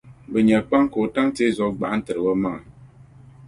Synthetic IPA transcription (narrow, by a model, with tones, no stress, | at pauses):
bɛ˨ɲɛ˨k͡pa˦ŋko˨ta˦ŋte˦zɔ˨ɡ͡ba˨˦n̩˦tɨ˨ɾɨ˨wɔ˦ma˦ŋa˨